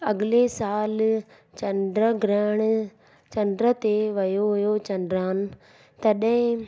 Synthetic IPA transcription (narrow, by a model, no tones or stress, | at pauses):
ɐɠɪlesaːl | t͡ɕɐnɖɾəɡɾɛːɽ̃ | t͡ɕɐ̃nɖɾət̪eʋɐjoɦʊjot͡ɕɐ̃nɖɾaːnɪ̆ | t̪ɐɗɦɪ̃